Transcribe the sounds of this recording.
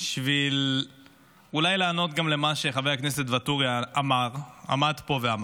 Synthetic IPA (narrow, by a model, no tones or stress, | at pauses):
ʃvil | ulajlaːno̞t̪ɡamle̞maʃe̞χavejhaknese̞t̪vat̪uʁiaamaʁa̰mad̪po̞veam